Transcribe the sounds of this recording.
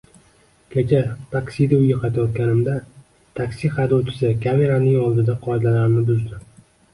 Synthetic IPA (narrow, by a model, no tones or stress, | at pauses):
kʲʰet͡ʃʰat̪ʰakʲsid̪aʊjɪqʰɑt̪ʰɪjɒt̪̚kʲaɾɪmd̪a | t̪ʰakʲsiχad̪ɒwt͡ʃʰɪ̥sɪkʰʲame̞ɾanɪŋɒlˠd̪ɪd̪aqʰɒjd̪alaɾɪnɪbʊzd̪ɪ